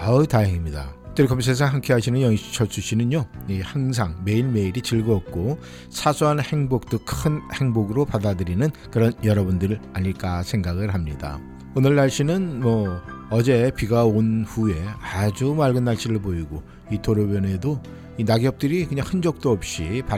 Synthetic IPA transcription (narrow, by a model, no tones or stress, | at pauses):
aɯtajeŋimɲida̰t͈ɯɾkʌms̬ʰes̬ʰaŋɦaŋkʰeɦaɕʰinɯnjʌŋɕi̥t͡ɕʰʌt͡ɕ͈ʰuɕʰinɯnjoihaŋs̬ʰaŋme̞iɭme̞iɾit͡ɕiɭɡʌʌk̚k͈o | sʰasʰuɦanhe̞ŋbok̚t͈ɯkʰɯnhe̞ŋboɡɯɾopadadɯɾinɯnkɯɾʌnjʌɾʌbundɯɾɯɭaɲiɭk͈asʰe̞ŋɡaɡɯɭɦamɲida̰ | onɯɭːaɭɕ͈inɯnmʌ | ʌd͡ʑe̞piɡaonɸue̞ad͡ʑumaɭɡɯnːaɭɕ͈iɾɯɭpoiɡo | itoɾobjʌne̞do | inaɡjʌp̚t͈ɯɾikɯɲaŋhɯnd͡ʑʌk̚t͈oʌp̚ɕ͈ipa